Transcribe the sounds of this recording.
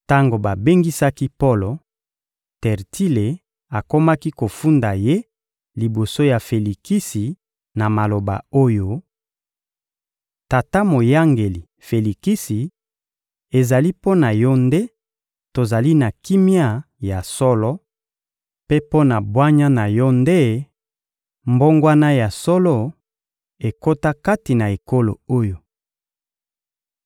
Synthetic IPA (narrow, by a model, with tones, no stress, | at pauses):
ta˦ŋɡo˨ba˨be˦ŋɡi˦sa˦ki˦po˦lo˨ | tɛ˨ʁti˦le˨ | a˨ko˦ma˦ki˦ko˨fu˦nda˨je˦ | li˨bo˨so˦ja˨fe˨li˨ki˦si˨ | na˨ma˨lo˨ba̰˨o˦jo˦ | ta˨ta˦mo˨ja˦ŋɡe˨li˨ | fe˨li˨ki˦si˨ | e˨za˨li˦po˦na˨jɔ˦nde˦ | to˨za˨li˦na˨ki˦mi˦a˦ | ja˨sɔ˦lɔ˦ | pe˦po˦na˨bwa˦ɲa˦na˨jɔ˦nde˦ | mbo˦ŋɡwa˦na˦ja˨sɔ˦lɔ˦ | e˨ko˦ta˦ka˦ti˨na˨e˨ko˦lo̰˨o˦jo˨